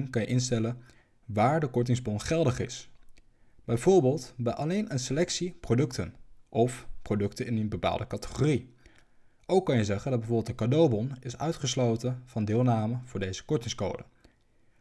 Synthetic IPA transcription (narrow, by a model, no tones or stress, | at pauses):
nkɑnjəʔɪnstɛlən | ʋaːɹdəkɔɹt̬ɪŋzbɔnχɛlˠdəχɪ̰s | b̥ɛjvʊːɹbɪːlˠtbɛʔɑlejnʔənselɛksiprowdɵktənʔɔfprodɵktənɪnənbəpa̰ːlˠdəkɑtə̥χori | ʔowkːɑnjəzɛχəndɑd̚bɛvʊɹbɪlˠdəkadowbɔnɪsœ̰ɥtχəslowtəv̥ɑndɪːlˠnaːməv̥ʊːɹdejzə̥kɔɹtɪŋsko̰wdə